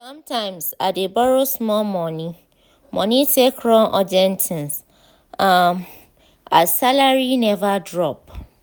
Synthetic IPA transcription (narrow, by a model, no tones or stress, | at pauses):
sɔ̃mtʰãɪ̃msadebɔɾosmɔmɔ̃nĩ | mʔɔ̃nĩsekʰɾɔ̃nʔɔd͡ʒɛ̃ntʰĩns | am | asalaɹinɛvadɹɔp̚